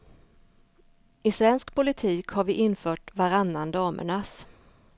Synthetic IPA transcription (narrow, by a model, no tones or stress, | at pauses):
ɪsvɛnskpʊlɪt̪ʰiːkhaɾvɪʔɪnfœːʈvaɾanːand̪ɑːmə̰ɳas